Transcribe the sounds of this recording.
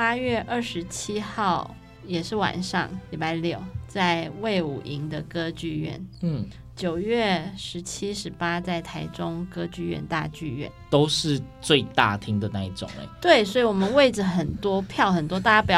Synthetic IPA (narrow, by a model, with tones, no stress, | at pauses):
pa˥ɥɛ˥˧ʔə˥˩ʂɻ̩˧˥t͡ɕʰi˥xɑ˥˩ʊ | jɛ˨˩ʂɻ̩˥˩wa̰˨˩nʂɑ̰˥˧ŋli˨˩pa˧˥ɪljo˥˩ʊt͡sa˥˧ɪwe˥˩ɪṵ˨˩ʔi˧˥ŋd̪ə˨kɤ˥t͡ɕy˥˧ɥɛ̰˥˩n̩˥˩ | t͡ɕjo˨˩ʊɥɛ˥˩ʂɻ̩˧˥t͡ɕʰi˥ʂɻ̩˧˥pa˥t͡sa˥˩ɪt̪ʰa˧˥ɪʈ͡ʂʊ˥ŋkɤ˥t͡ɕy˥˧ɥɛ̰˥˧nt̪a̰˥˧t͡ɕy˥˧ɥɛ̰˥˩nt̪o˥ʊʂɻ̩˥˧t͡swe˥˧ɪt̪a̰˥˩t̪ʰi˥ŋd̪ə˨na˥˧i˥˩ʈ͡ʂʊ̰˨˩ŋḛ˧˦t̪we˥˩ɪs̬wɔ˧˥i˨wɔ˨˩mə˦nwe˥˩ɪʈ͡ʂə˩xə˨˩nt̪wɔ˥pʰjɑ˥˩ʊxə˨˩nt̪wɔ˥t̪a˥˧˩ja˥˩p̬jɑ˨˩